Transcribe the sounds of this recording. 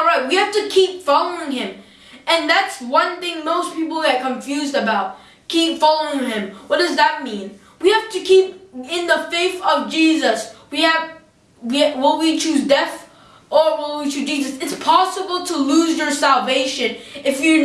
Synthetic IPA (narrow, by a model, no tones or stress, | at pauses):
ɹaɪt̚wihæftɨkʰipfɑlˠoʊɪ̃ŋɪ̃m | ɨ̃nðætswʌ̃nθɪ̃ŋmoʊspip̬l̩ˠðɨt̚kʰə̃ɱfjʉzdɨbaʊt̚ | kʰipfɑlˠoʊɪ̃ŋɪ̃mwʌt̚d̥ʌzðət̚mĩn | wihæftɨkʰipɪ̃nðəfeɪθʌvd͡ʒizəswiɨv | wiwɪlˠwit͡ʃʰʉzdɛθ | ə˞wɪlˠwit͡ʃʰʉd͡ʒizɨsɨtspʰɑsəbl̩ˠtʰəluzjə˞sælˠveɪʃɨ̃nɨfjə˞